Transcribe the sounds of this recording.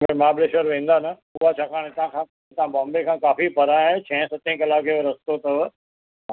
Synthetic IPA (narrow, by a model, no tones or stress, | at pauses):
ɡɾmaːbleːʃəɾʋẽːn̆d̪anɐ | ʊɦat͡ɕʰaːkʰaːɽ̃et̪ɐãkʰãː | t̪ɐãbɔ̃ːmbekʰãːkaːfipɐɾaːẽt͡ɕʰɛ̃ɦsɐt̪ẽkɐlaːkeʋɐɾɐst̪ot̪ɐʋ | aː